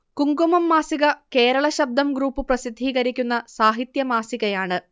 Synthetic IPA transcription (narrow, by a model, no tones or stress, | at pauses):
kuŋɡumɐmːaːsiɣɐke̞ːɾɐɭɐɕɐb̚d̪ʱɐmɡɾuːpːɨprɐsid̪ʱːiːɣɐɾikʲːunːɐsaːɦit̪jɐmaːsiɣɐjaːɳɨ